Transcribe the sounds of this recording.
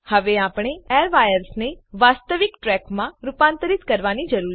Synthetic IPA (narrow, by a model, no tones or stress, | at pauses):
həʋeaːpɽ̃eɛːɾʋajəɾsneʋaːst̪əʋɪkʈɾɛkmãɾʊpãːnt̪əɾɪt̪kəɾʋanid͡ʒəɾuːɾ